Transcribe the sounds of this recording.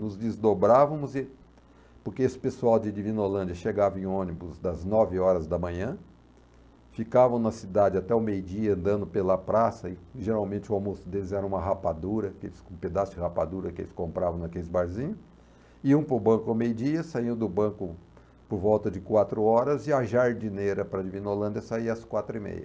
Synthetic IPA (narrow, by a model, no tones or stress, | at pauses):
nʊzd̪ɪzd̪obɾavɐ̃mʊzɪ | poɾkeesɪ̥pesuawd͡ʒɪd͡ʒivĩnolɐ̃nd͡ʒɐʃeɡavɐẽõnibʊzd̪ɐznɔvɪɔɾɐzd̪ɐmɐ̃ɲɐ̃ | fikavɐ̃w̃nɐsid̪ad͡ʒɪat̪ɛʊmejʊd͡ʒiɐɐ̃nd̪ɐ̃nd̪ʊpelɐpɾasɐɪʒeɾawmẽnt͡ʃɪʊawmosʊd̪elɪzɛɾɐ̃ũmɐɦapad̪uɾɐkɪḛlɪskũped̪asʊd͡ʒɪhapad̪uɾɐkɪḛlɪskõmpɾavɐ̃w̃nɐkelɪzbaɾzĩɲʊ | iũpʊɾbɐ̃kʊawmejʊd͡ʒiɐsaiwd̪ʊbɐ̃kʊ | poɾvɔwt̪ɐd͡ʒɪkwat̪ɾʊɔɾɐzɪɐʒaɾd͡ʒineɾɐpɾɐd͡ʒivĩnolɐ̃nd͡ʒɐsaiɐɐskwat̪ɾʊimḛjɐ